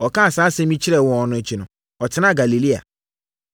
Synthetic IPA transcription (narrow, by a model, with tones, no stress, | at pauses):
ɔ˨kã˦a˨saː˨˦sɛ˦mĩ˦t͡ɕʰɪ˦ɾɛ˨wɔ̃˨nʊ̃˨t͡ɕʰi˨nʊ̃˨ | ɔ˨tʰɪ˦nã˦˨ɡa˨li˨li˦a̰˨